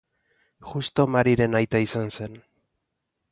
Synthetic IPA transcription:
ʝust̪o̞maɾiɾe̞najt̪aisanse̞n

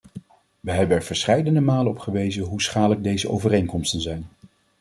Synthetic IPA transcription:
ʋəɦɛbənɛɹv̥əɹsχɛjdəndəmaːləɔpχəʋejzənɦusχaːdələɡ̚dejzəʔo̰wvərejŋkɔmstənzɛjn

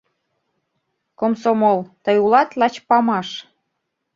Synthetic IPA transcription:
komsomolt̪ɤjulɑt̪lɑt͡ɕpɑmɑʃ

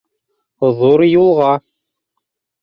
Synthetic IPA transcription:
ðuɾjulˠʁɑ

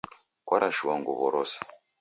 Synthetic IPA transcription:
kwaɾaʃuwaŋɡuβɔɾɔsḁ

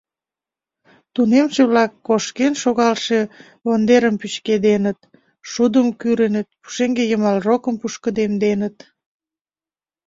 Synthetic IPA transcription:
t̪unemʃeβlɑkːoʃkenʃoɣɑlʃe | βond̪eɾəmpyt͡ɕked̪enət̪̚ | ʃud̪əmkyɾenət̪̚pu̥ʃeŋɡejəmɑlrokəmpuʃkəd̪emd̪enət̪

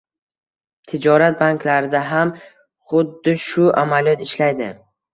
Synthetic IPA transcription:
t̪ʰɪd͡ʒɒɾat̪̚baŋklaɾɪd̪aɦam | χʊd̪ːɪʃʊʔamalijɒt̪ɪʃlajd̪ɪ

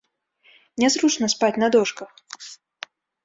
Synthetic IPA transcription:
nʲɛzɾut͡ʂnɐspat͡sʲnɐd̪ɔʂkɐx

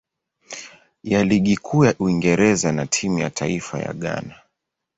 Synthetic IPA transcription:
jaliɠikʰuːjaʔuiŋɡɛɾɛzanatʰimuja̰tʰaifa̰ja̰ɠa̰na

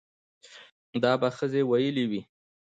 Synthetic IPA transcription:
d̪ɑbaxəzewajəliwi

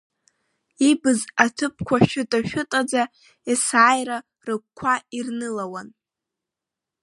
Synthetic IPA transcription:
ibɨzatʰɨp̚ʰkʷʰaʃʊtʼaʃᶣʊtʼad͡za | isaːjra | rɨk̚ʷkʷʰairnɨlawan

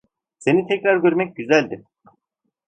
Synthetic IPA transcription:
se̞nit̪ʰɛcɾaɾɡøɾmɛc̚ɟyzælʲd̪i

